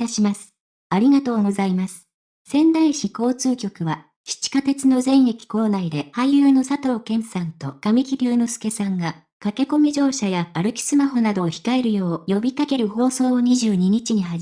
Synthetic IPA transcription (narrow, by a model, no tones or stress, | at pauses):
t̪aɕimasɨ̥ | aɾʲiɡat̪o̞ːɡo̞zaimasɨ̥ | sẽ̞nd̪aiɕiko̞ːt͡sɨːkʲo̞kɯ̟βa | ɕi̥t͡ɕi̥kat̪e̞t͡sɨno̞zẽ̞ɰ̃je̞kʲi̥ko̞ːnaid̪e̞hajɯːno̞sat̪o̞ːkẽ̞ɰ̃sãnt̪o̞ɡ̥amʲikʲiɾʲɨːnosɨ̥ke̞sãŋɡa | kake̞ko̞mʲiʑo̞ːɕajaːɾɯ̟kʲi̥sɨmaɦo̞nad̪o̞ːçi̥kae̞ɾɯ̟jo̞ːjo̞bʲikake̞ɾɯ̟ho̞ːso̞ːɲ̟iʑɨːɲ̟iɲ̟it͡ɕiɲ̟iɦa